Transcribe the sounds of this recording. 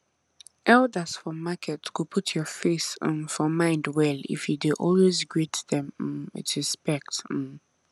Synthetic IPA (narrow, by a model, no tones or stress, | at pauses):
ʔɛldəsfɔmakʰɛtkupʰutʰjɔfesmfɔmãɪ̃ndwɛlḭfjudeʔɔlwezɡɹitðɛ̃m̩ɪ̰tɹispɛk̚t̩